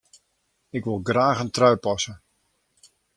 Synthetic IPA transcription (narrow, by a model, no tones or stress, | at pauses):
ɪkʋɪlˠɡraːxəntrœɥpɔsə